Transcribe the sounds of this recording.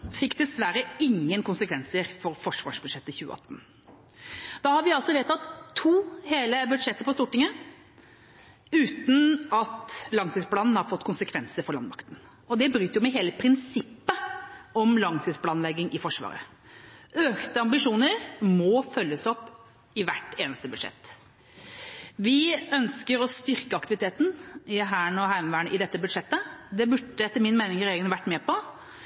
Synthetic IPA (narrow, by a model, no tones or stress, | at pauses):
fɪkːd̪ɛsʋæɾəɪŋːənkʊnsəkʰʋɛnsəɾfɔɾfɔʂʋɑ̰ːʂbʉd̪ʂɛt̪ːəçʉːə̰ɑ̰t̪ːn̩ | d̪̥ɑːhɑɾʋɪɑlsɔʋeːt̪ːɑt̪ʰːuːheːləbʉd̪ʂɛt̪ːəɾpɔst̪uːʈɪŋə | ʉːt̪n̩ɑt̪lɑŋsɪftspʰlɑːnn̩hɑɾfɔt̪ːkʰʊnsəkʰʋɛnsəɾfɔɾɭɑnd̪mɑ̰kt̪n | ɔd̪ɛbɾyːt̪jʊmɛɦeːləpʰɾɪnsɪpːəɔmlɑŋsɪtspʰlɑːnlɛɡːɪŋʔɪfɔʂʋɑ̰ːɾə̰ | øːkt̪əɑmbɪʂuːnəɾmɔfœlːəsɔpː | ɪʋæʈːeːnəst̪əbʉd̪ʂɛ̰t̪ː | ʋɪœnskəɾɔst̪ʏɾkəɑkt̪ɪʋɪt̪ʰeːt̪n̩ɪɦæːɳɔɦæɪmʋæːɳəʔɪd̪ɛt̪ːəbʉd̪ʂɛt̪ːəd̪ɛbʉʈːəɛt̪ːəɾmɪnmeɪnɪŋɾeːɡənʋæʈːmɛːpɔ